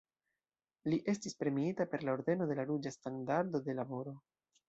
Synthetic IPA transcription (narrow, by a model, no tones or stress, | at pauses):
liʔe̞stispɾe̞miitape̞ɾlao̞ɾd̪e̞no̞de̞laɾud͡ʒastandaɾd̪o̞d̪e̞labo̞ɾo̞